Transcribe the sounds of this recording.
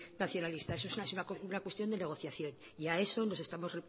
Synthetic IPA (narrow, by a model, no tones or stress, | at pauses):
naθjo̞nalist̪aes̬oesnesunakounakwe̞st̪jo̞nd̪ene̞ɣ̞o̞θjaθjo̞n | iae̞so̞no̞se̞st̪amo̞zre